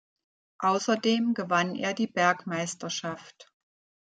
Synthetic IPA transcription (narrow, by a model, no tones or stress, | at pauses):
ʔaʊsɐdeːmɡəvanʔḛːɐdiːbɛɐkmaɪstɐʃaft